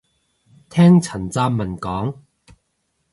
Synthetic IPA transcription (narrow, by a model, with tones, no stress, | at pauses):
t̪ʰɛː˥ŋt͡sʰɐ˨˩nt͡saː˧mmɐ˨˩nkɔː˨˥ŋ